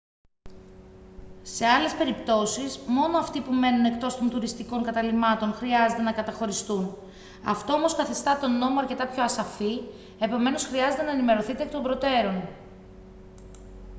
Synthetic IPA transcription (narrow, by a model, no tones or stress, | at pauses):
se̞ɐle̞spe̞ɾipt̪o̞sizmo̞no̞ɐft̪ipume̞nune̞kt̪o̞st̪o̞nt̪uɾist̪iko̞ŋkɐt̪ɐlimɐt̪o̞nxɾiɐze̞t̪e̞nɐkɐt̪ɐxo̞ɾist̪un | ɐ̰ft̪o̞omo̞skɐθist̪ɐt̪o̞no̞moɐɾce̞t̪ɐpço̞ɐsɐfi | e̞po̞me̞no̞sxɾiɐze̞t̪e̞nɐenime̞ɾo̞θit̪ekit̪o̞mbɾo̞t̪e̞ɾo̞n